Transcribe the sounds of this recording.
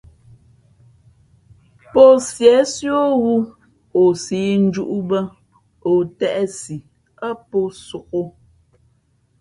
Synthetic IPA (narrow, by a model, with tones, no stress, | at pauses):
po˦sjɛ˨˦sjo˦ɣu˦ | o˨siː˨˦n̩˦d͡ʒu˦ʔu˦bə˦ | o˨tɛ˦ʔɛ˦si˨ | ə˦po˦su˨ko˦